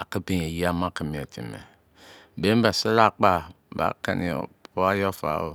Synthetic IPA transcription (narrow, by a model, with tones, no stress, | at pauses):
a˨ki˦bi˦˨e˨ji˦a˦ma˦˨ki˦mi˨a˨tʰi˨mḛ˨ | be˦m˦ba˨si˦la˦˨k͡pa˦ | ba̰˨˦kḛ˦nḭ˨o̰˨o˦a˦jo˦fa̰˨˦o˨